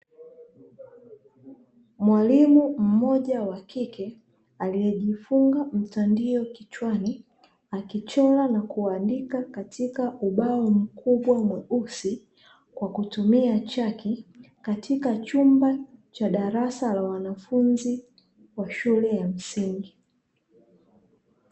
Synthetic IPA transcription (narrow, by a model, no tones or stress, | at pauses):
mwalimum̩mɔʄawakikɛ | aliɛʄifuŋɡam̩tandiɔkit͡ʃwani | akit͡ʃɔlanakuandikakatʰikaʔuɓaɔm̩kʰuɓwamwɛusi | kwakutumiat͡ʃaki | katʰikat͡ʃumbat͡ʃaɗaɾasalawanafunzi | waʃulɛjam̩siŋɡi